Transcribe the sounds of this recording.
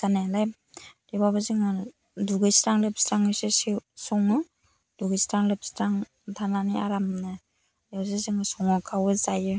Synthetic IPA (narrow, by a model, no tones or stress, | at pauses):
kanelaj | dibabɯziŋɯ | duɡɯjsɾaŋlɯp̚stɾaŋɯsesisɔŋɯ | duɡɯjstaŋlɯp̚stɾaŋ | tʰananiaɾamnɯ | awzezɯŋɯsɔŋɔkʰawɯzajɯ